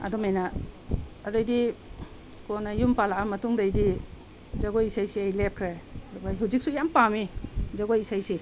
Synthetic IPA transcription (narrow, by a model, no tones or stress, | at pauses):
ɐ̰dɔmajna | ɐdajdi | kɔnajumpalaʔamɐtuŋdajdi | zaɡojisajsiajlep̚kʰɾeɐdubaɦuzik̚sujampamizaɡojisajsi